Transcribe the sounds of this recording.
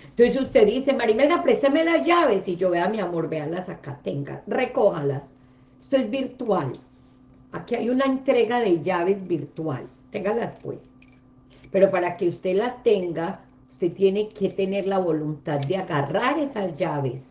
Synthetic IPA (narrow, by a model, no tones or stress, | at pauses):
ent̪onsesust̪e̞ðise̞maɾimeld̪apɾest̪eme̞lazd͡ʒaβe̞sid͡ʒo̞βeamiamo̞ɾbealasakat̪eŋɡa̰re̞ko̞halas | est̪oe̞zbiɾt̪wal | akiajunaent̪ɾe̞ɣaðe̞ʝaβe̞zbiɾt̪wa̰l | t̪e̞ŋɡalaspwe̞̰s | pe̞ɾo̞paɾake̞ust̪e̞last̪e̞ŋɡa | ust̪e̞t̪je̞ne̞ke̞t̪e̞ne̞ɾlaβo̞lunt̪aðd̪eaɣaraɾe̞sazd͡ʒaβe̞s